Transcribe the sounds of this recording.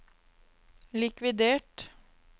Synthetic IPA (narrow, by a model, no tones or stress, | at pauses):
lɪkʋɪd̪eːʈ